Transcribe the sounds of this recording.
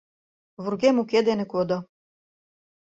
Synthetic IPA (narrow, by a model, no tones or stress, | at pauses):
vurɡemuked̪enɘ̆kod̪ɤ̆